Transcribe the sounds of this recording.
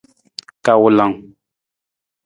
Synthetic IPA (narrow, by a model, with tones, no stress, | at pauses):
ka˨wu˨la˨ŋ